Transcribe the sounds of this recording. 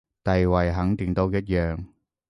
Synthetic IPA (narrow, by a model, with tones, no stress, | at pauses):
t̪ɐ˨jwɐ˨jɦɐ˨˥ŋt̪ɪ˨˩ŋt̪o˥wjɐ˥t̚jœː˨ŋ